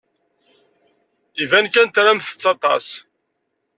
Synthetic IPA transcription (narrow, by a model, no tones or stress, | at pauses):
ivænkænt̪ɾæmθə̥t͡sːɑt̪ˤɑ̰s